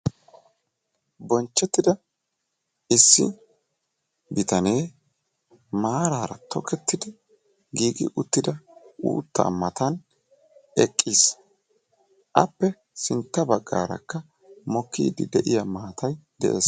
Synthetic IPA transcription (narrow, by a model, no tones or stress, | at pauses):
bɔnt͡ʃːɛt̪ːɪd̪ɐ | ʔɪsːɪ̰ | bɪt̪ɐne̞ː | maːɾaːɾɐ̰t̪ɔkʰɛt̪ːɪd̪ɪ | ɡiːɡɪ̰ʔʊt̪ːɪd̪ɐʔṵːt̪ːɐ̰mɐt̪ɐn | ɛkʼːiːs | ʔɐpːɛ | sɪnt̪ːɐbɐɡːa̰ːɾɐ̰kːɐ | mɔkːḭːd̪ɪd̪ɛʔɪjɐmaːt̪ɐjd̪ɛ̰ʔḛːs